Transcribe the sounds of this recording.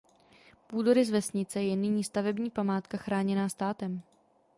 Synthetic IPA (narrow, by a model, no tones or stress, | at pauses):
puːdoɾɪzvɛsɲɪt͡sɛjɛnɪɲiːst̪avɛbɲiːpamaːt̪kaxɾaːɲɛnaːst̪aːt̪ɛm